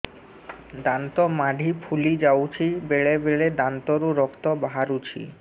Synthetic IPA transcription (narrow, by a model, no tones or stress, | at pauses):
d̪ant̪ɔmaɖʱipʰulid͡ʑawt͡ɕʰibeɭebeɭed̪ant̪oɾuɾɔkt̪ɔbaɦaɾut͡ɕʰḭ